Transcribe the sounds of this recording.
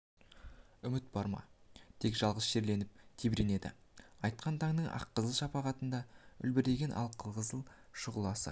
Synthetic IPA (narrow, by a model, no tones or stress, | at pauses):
ʏmɪt̪̚bɑɾmɑ̰t̪ʰe̞kʒ̥ɑlˠʁəzʃe̞ɾle̞nɪp̚t̪ʰebɾene̞d̪ɪ̰ɑjt̪̚qɑnt̪ʰɑŋnəɴʔɑ̰qːəzəlˠʃɑpɑʁɑt̪ənd̪ɑʏ̰lbɪɾe̞ɡʲe̞nʔɑ̰lˠqʰəlˠʁəzəlˠ | ʃʊʁəlˠɑsə̰